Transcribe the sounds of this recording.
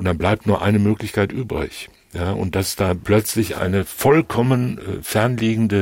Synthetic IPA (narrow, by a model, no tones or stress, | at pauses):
ʔʊntd̥anblaɪp̚tnuːɐʔa̰ɪnəmøːklɪçkaɪtʔyːbʁɪ̰ç | jaːʔʊ̰nt̚d̥asd̥aːplœt͡slɪçʔa̰ɪnəfɔlkʰɔmən̰ːfɛɐnliːɡŋ̩də